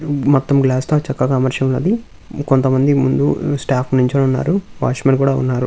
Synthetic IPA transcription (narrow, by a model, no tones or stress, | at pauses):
mɔt̪ːɐmɡlaːst̪oːt͡ʃɐkːɐkamɐɾʃɐmlɐ̰d̪i | kont̪ɐmɐnd̪imund̪usʈaːpʰnuɲt͡ʃɐnɐunːa̰ːɾuʋa̰ːʂmɐnk̬uːɽaːṵnːaːɾu